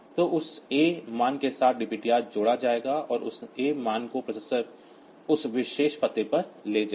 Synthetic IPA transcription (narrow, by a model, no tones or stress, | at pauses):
t̪oːʔʊseːmaːnkesaːt̪̚ʰɖɪpiːʈijaːt̪̚d͡ʒoːɽad͡ʒaːeːɡaɔːɾʊ̰seːmaːnkopɾɐsesəɾ | ʊsʋɪʃeːʃpɐt̪epɐɾleːd͡ʒa